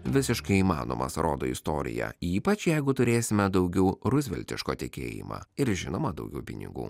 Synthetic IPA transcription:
ʋʲɪsʲɪʃkɐɪiːmɑ̰ːno̰ːmɐsɾʔoːd̪oːɪst̪oːɾʲɪ̰jɛ̰iːpɐt͡ʃjɛɪɡʊt̪ʊɾʲeːsʲɪmʲɛd̪ɒʊɡʲɛʊɾʊzʲʋʲɛ̰lʲt̪ʲɪʃkoːt̪ʲɪkʲḛːjɪ̰mɑ̰ːɪɾʒʲɪnoːmɐd̪ɒʊɡʲɛʊpʲɪnʲɪ̰ɡṵː

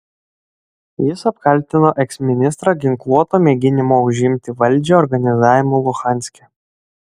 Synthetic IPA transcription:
jɪsɐpkɐlʲt̪ʲɪnoːʔɛksmʲɪnʲɪst̪ɾɑɡʲɪŋklˠuɔt̪oːmʲeːɡʲɪnʲɪmoːʊʒʲɪmʲt̪ʲɪʋɐlʲˑd͡ʒʲɛɔɾɡɐnʲɪzɑːʋʲɪmoːlˠʊxɑˑnʲsʲkʲɛ

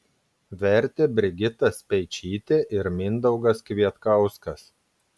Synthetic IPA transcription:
ʋʲɛɾʲt̪ʲeːbʲɾʲɪɡʲɪt̪ɐspʲɛɪt͡ʃʲiːt̪ʲeːʔɪɾmʲɪnd̪ɒʊɡɐskʋʲiɛt̪kɐˑʊskɐs

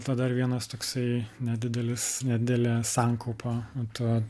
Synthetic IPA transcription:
t̪ɐd̪ɐrʋʲiɛnɐst̪oːksɐɪnʲɛd̪ʲɪd̪ʲɛlʲɪsnʲɛd̪ʲɪd̪ʲɛlʲeːsɑːŋkɐʊpʰot̪o

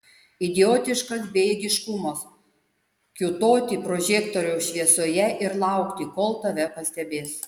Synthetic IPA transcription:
ɪd̪ʲɪjoːt̪ʲɪʃkɐsbʲeːɡʲɪʃkʊmɐs | kʲʊt̪oːt̪ʲiːpɾoːʒʲeːkt̪oɾʲɛʊʃʲʋʲiɛsoːjɛʔɪɾlˠɑˑʊkt̪ʲiːˑkoːlˠt̪ɐʋʲɛpɐsʲt̪ʲɛbʲeːs

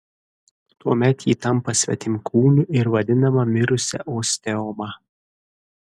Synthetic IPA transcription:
t̪uɔmʲɛt̪jiːt̪ɐmpɐsʲʋʲɛ̰t̪ʲɪmʲkʰuːnʲʊʔɪɾʋɐd̪ʲɪnɐmɐmʲɪɾʊsʲɛ̰ʔoːsʲt̪ʲɛɔmɑ

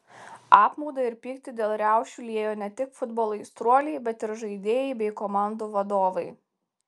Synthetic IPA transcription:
ɑːpmɔʊd̪ɐɪɾpʲiːkt̪ʲɪd̪ʲeːlˠɾʲæˑʊʃʲt͡ʃʲuːlʲiɛjoːnʲɛt̪ʲɪkfʊd̪boːlˠɐɪst̪ɾuɔlʲɛɪbʲɛt̪ɪɾʒɐɪd̪ʲeːjɛɪbʲɛɪkomɑˑnd̪uːʋɐd̪oːʋɐɪ

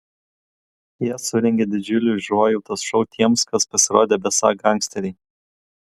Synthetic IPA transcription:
jiɛsʊɾʲɛŋʲɡʲed̪ʲɪd͡ʒʲʊlʲʊʒuɔjuːt̪ɐsʃɔʊt̪ʲʰiɛmskɐspɐsʲɪɾoːd̪ʲeːbʲɛsɑ̰ːɡɐŋʲksʲt̪ʲɛɾʲɛː

